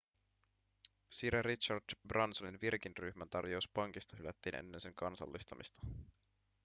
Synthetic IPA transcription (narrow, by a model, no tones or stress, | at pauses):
siɾeritt͡ʃɑrdbrɑnsoninʋirk̟inryçmænt̪ɑrjouspɑŋk̟ist̪ɑɦylæt̪ːiːnʔḛnːense̞ŋkɑnsɑ̰lːist̪ɑmḭst̪ɑ̥